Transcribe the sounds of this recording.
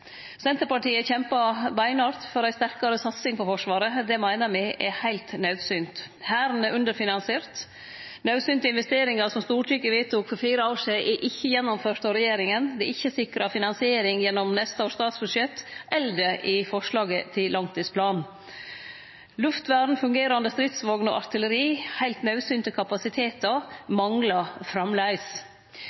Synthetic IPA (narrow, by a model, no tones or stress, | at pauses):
sɛnt̪əɾpɑʈiːəçɛmpɑbæɪnɑːɾt̪fɔɾæɪst̪æɾkɑɾəsɑt̪sɪŋpɔfɔʂʋɑːɾəd̪ɛmæɪnəmɪʔɛhæɪlt̪nœʉd̪syːnt̪ | hæːɾnɛʔʉnd̪əɾfɪnɑnsɪeːɾt̪ | nɑʉsyːnt̪əɪnʋɛst̪eːɾɪŋɑsɔmst̪uːʈʰyːkəʋit̪ʰuːkfɔɾfiːɾəoːʂiːʔɛʔɪçːəjɛnːɔmføːʈ̪ɑɾɛjeːɾɪŋənd̪ɛɪçːəsɪkɾɑfɪnɑnsɪeːɾɪŋjɛnːɔmnɛst̪əɔːst̪ɑːt̪sbʉd̪ʂɛt̪ːʔɛld̪əʔɪfɔʂɭɑːɡət̪ʰɪllːɑŋt̪ʰiːspʰlɑːn | lʉft̪ʋæːɖn̩fʉŋɡeːɾɑnd̪əst̪ɾɪt̪sʋɑːɡnɔ̰ʔɑɾt̪ʰɪləɾiːhæɪlt̪nɑʉsyːnt̪əkʰɑpɑsɪt̪ʰeːt̪ɑmɑŋlɑfɾɑmlæɪs